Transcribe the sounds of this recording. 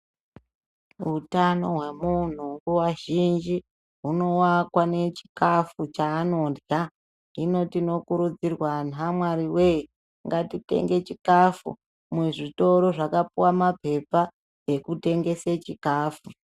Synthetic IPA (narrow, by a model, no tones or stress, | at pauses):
utano̞ɦwe̞mun̤uŋɡuwaʒind͡ʒi | ɦuno̞wakwane̞t͡ʃi̥kafut͡ʃaːno̞dja | ino̞tino̞kuɾud͡zirwanamwaɾiwe̞i | ŋɡatite̞̰ŋɡe̞t͡ʃikafṵ | mweʐito̞ɾo̞ʐakapuwamape̞pa | e̞kute̞ŋɡe̞set͡ʃikaːfu